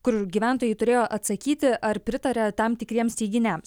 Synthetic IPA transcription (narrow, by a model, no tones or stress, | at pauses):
kʊɾɡʲiʋʲæˑnt̪oːjɛɪt̪ʊɾʲeːjoːʔɐt̪sɐkʲiːt̪ʲɪʔɐɾpʲɾʲɪt̪ɐɾʲɛt̪ɐmt̪ʲɪkɾʲiɛmst̪ʲɛɪɡʲɪnʲɛms